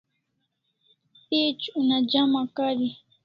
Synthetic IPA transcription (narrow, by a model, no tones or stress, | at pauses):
t̪it͡ʃunad͡ʒamakaɾi